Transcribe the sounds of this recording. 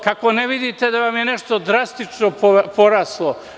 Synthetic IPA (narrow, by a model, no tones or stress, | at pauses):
kakoneʋid̪it̪ed̪aʋamjeneʃt̪od̪ɾast̪it͡ʃnopopoɾaːslˠo